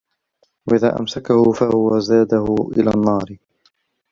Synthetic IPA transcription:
waʔɪða̰ːʔa̰msakahʊfahʊwazaːd̪ahʊʔɪ̰laːnːɑːɾɪ

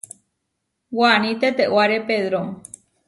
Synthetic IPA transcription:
wanĩt̪et̪eʔwaɾepeðɾo

